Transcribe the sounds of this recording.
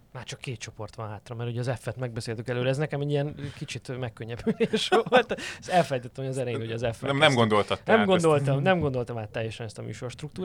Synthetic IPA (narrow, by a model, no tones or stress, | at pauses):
maːrt͡ʃɒkːeːt̪t͡ʃo̞po̞rt̪ʋɒnɦaːt̪rɒmɛrhoɟɒzɛfːɛt̪mɛɡ̚bɛseːlt̪yŋkɛløːɾɛɛznɛkɛmɛɟiɛnkit͡ʃit̪mɛkːøɲːɛpyleːʃʋolt̪sɛlfɛlɛjt̪ɛt̪ːɛmhojɒzɛɾɛjeːnho̞ɟɒzɛfɛɛmnɛmɡond̪o̞lt̪ɒt̪ːɛmɡond̪o̞lt̪ɒmnɛmɡo̞nd̪o̞lt̪ɒmaːt̪ːɛjɛʃɛnɛst̪ɒmy̰ːʃo̞rʃt̪ɾuk̚t̪uːɾ